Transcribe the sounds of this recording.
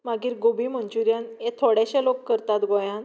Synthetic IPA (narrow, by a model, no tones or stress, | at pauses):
maɡiːɾɡobiməɲt͡ɕuɾjanet̪ʰoɽjaɕalokːəɾt̪at̪ɡojãn